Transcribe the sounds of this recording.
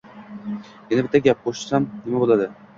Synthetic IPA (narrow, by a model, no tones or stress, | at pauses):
jɪnabɪt̪ʰːaɡʲap̚qoʃɪ̥samnɪmabolˠad̪ɪ